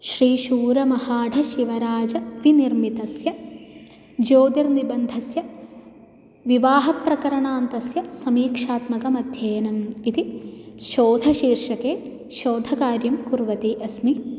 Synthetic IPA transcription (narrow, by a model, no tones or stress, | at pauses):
ʃɾiːʃuːɾɐmɐhaːɖʱɐʃiʋɐɾaːd͡ʒɐʋiniɾmit̪ɐsjɐ | d͡ʒoːd̪iɾnibɐnd̪ʱɐsjɐ | ʋiʋaːɦɐpɾɐkɐɾɐɳaːnt̪ɐsjɐsɐmiːkʂaːt̪mɐkɐmɐd̪ʱjɐːjɐnɐmit̪iʃoːd̪ʱɐʃiːɾʂɐkeː | ʃoːd̪ʱɐkaːɾjɐmkuɾʋɐt̪iʔɐsmi